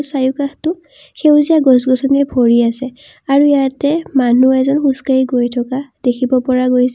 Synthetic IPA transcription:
sajukaxtʊ | xewzijaɡɔsɡɔsɔnɛbʱɔɹiasɛ | aɹujatɛmanuɛzɔnxuskaiɡojtʰɔkad̥ekʰibɔpɔɹaɡojsɛ

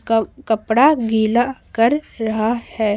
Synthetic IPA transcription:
kɐpɽaɡiːlakɐɾːɐɦahɛː

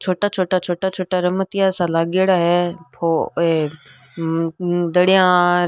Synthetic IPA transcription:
t͡ʃʰoːʈat͡ʃʰoːʈat͡ʃʰoːʈat͡ʃʰoːʈaɾəmət̪ijasãlaːɡeɽaɦepʰoe | d̪ɐɽijã

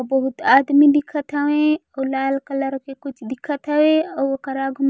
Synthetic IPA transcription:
bɐɦʊt̪aːd̪mid̪ɪkʰːət̪ɦəʋẽɔlaːlkələɾkekʊt͡ʃʰd̪ɪkʰːət̪ɦəwẽɔokəɾaɡʱʊm

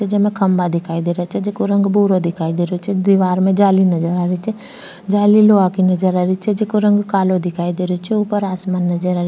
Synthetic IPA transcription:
ɛd͡ʒɐmẽkʰəmbad̪ɪkʰaːid̪eːɾat͡ʃʰɛd͡ʒekuɾə̃ŋɡbuːɾod̪ɪkʰaːid̪eːɾot͡ʃʰɛd̪iʋaːɾmẽd͡ʒaːlinɐd͡ʒəɾaɾit͡ʃʰɛ | d͡ʒaːliloːakinɐd͡ʒəɾaɾit͡ʃʰɛd͡ʒekuɾə̃ŋɡkaːlod̪ɪkʰaːid̪eːɾot͡ʃʰɛuːpəɾaːsmaːnːɐd͡ʒəɾaɾ

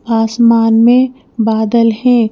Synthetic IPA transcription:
aːsmaːnmẽ | baːd̪əlɦɛ̃ː

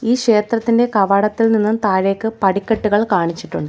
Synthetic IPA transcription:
iːɕe̞ːt̪rɐt̪ːinde̞kɐʋɐɽɐt̪ːilninːumt̪aːɾe̞ːkːɨpɐɽikʲːɐʈːuɣɐɭkaːɳit͡ɕːiʈːuɳɖɨ

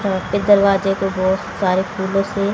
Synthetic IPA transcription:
pɪd̪əɾʋaːd͡ʒekobɔːtsaːɾekʰuːlõse

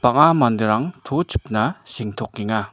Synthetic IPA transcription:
paŋamand̪əɾaŋt̪ʰot͡ɕʰə̥p̚naɕeŋ̥t̪ʰoqkiŋa

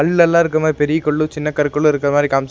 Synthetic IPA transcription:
ɐɭːɛlːãːɪɾɯkːɐmad̪ipɛɾɪjɐkːɔɭːɯt͡ʃɪnːɐkːɐɾɯkːɔɭːɯɪɾɯkːɪɾɐmaːd̪ɾikaːms

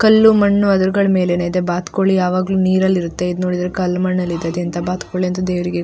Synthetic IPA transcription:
kɐlːumɐɳːuɐd̪ɐɾuɡɐɭɐme̞ːleːnid̪ebaːt̪koɭijaːʋaːɡluniːɾɐlːiɾut̪ːe̞id̪no̞ːɽid̪ɐɾekɐlːmɐɳːɐlːid̪eɐd̪jɐnt̪ɐbaːt̪koːɭiɐnt̪ud̪eːʋɾiɡe

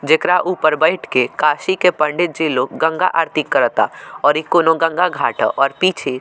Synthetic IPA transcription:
d͡ʒekɾaʔuːpəɾbəɪʈʰkekaːʃikepə̃ɳɖɪt̪̚d͡ʒeːlokɡə̃ŋɡa̰ʔaːɾt̪ɪkːəɾət̪a̰ɔːɾikoːnoɡə̃ŋɡaɡʱaːʈəʔɔːɾpiːt͡ʃʰe

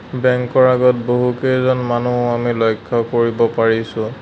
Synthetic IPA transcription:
bɛŋkɔɹaɡɔt̚boɦukejzɔnmanuɦʊamilɔjkʰːɔkoɹibɔpaɹisʊ̃

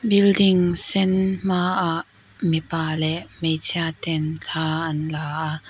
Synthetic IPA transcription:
bɪldɪŋsɛnmaːʔaʔ | mipaːlɛʔmejt͡sʰiat̪ɛnt͡ɬʰaːʔɐnlaːʔa

